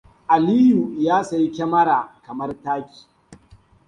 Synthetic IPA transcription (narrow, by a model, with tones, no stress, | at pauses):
ʔa˨liː˦ju˨jaː˦sa˨ji˦kʲɛ˦mɐ˦ɽa˨kɐ˨mɐ˦rtaː˦kʲi̥ː˨